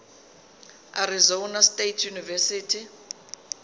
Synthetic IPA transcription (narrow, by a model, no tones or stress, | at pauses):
aɾizonastetʰjunivɛsiːtʰi